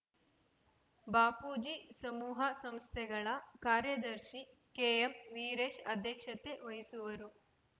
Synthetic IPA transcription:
baːpuːd͡ʒisɐmuːɦɐsɐmst̪ʰɛɡɐɭɐkaːɾjɐd̪ɐɾʃi | keːemʋiːɾeːʃɐd̪ʱjɐkʂɐt̪eʋɐɦisuʋɐɾu

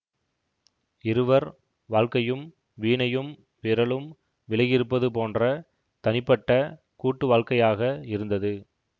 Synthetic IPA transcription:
ɪɾɯʋɐɾ | ʋaːɻkɐjɯm | ʋiːɳɐjɯm | ʋɪɾɐɭɯm | ʋɪɭɐɣɪɾɯpːɐðɯpoːndrɐ | t̪ɐnɪpːɐʈːɐ | kuːʈːɯʋaːɻkɐjaːɣɐɪɾɯnd̪ɐðɯ

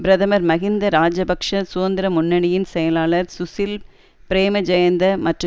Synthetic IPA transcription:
bɪɾɐðɐmɐɾmɐɣɪnd̪ɐɾaːd͡ʒɐbɐkʂɐsʊʋɐnd̪ɪɾɐmʊnːɐɳɪjɪnsɛjɐlaːlɐɾsʊsɪl | pɪɾeːmɐd͡ʒɐjɐnd̪ɐmɐʈrɯ

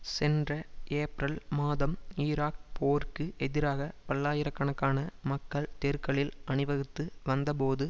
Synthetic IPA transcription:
sɛndrɐeːpɾɐlmaːðɐmiːɾaːk̚poːɾkɯɛðɪɾaːɣɐpɐɭːaːjɪɾɐkːɐɳɐkːaːnɐmɐkːɐɭt̪eːɾkɐɭɪlʔɐɳɯʋɐɣɯt̪ːɯʋɐnd̪ɐp̬oːðɯ

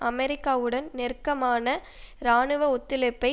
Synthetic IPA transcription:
ʔɐmɛɾɪkːaːʋɯɽɐnnɛrkɐmaːnɐ | ɾaːɳɯʋɐɔt̪ːɪlɛpːɐɪ

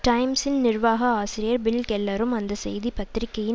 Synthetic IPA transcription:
ʈɐɪmsɪnnɪrʋaːɣɐaːsɪɾɪjɐɾbɪlkɛlːɐɾɯmɐnd̪ɐsɛ̰jðipɐt̪ɪɾɪkːɐjɪ

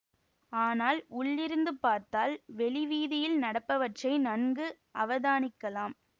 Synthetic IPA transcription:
aːnaːlʊɭːɪɾɯnd̪ɯpaːɾt̪aːlʋɛɭɪʋiːðɪjɪlnɐɽɐpːɐʋɐʈrɐɪnɐnɡɯ | ʔɐʋɐðaːnɪkːɐlaːm

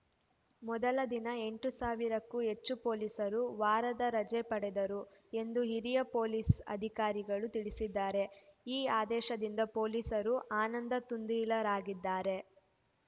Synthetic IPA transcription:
mɔd̪ɐlɐd̪inɐe̞ɳʈusaːʋiɾɐkːuɦe̞t͡ʃːupo̞ːlisɐɾuʋaːɾɐd̪ɐɾɐd͡ʒɛːpɐɽed̪ɐɾue̞nd̪uɦiɾijɐpo̞ːliːsɐ̰d̪ʱikaːɾiɡɐɭut̪iɭisid̪ːaːɾe̞iːaːd̪ɛːʃɐd̪ind̪ɐpo̞ːliːsɐɾuʔaːnɐnd̪ɐt̪und̪ilɐɾaːɡid̪ːaːɾe̞

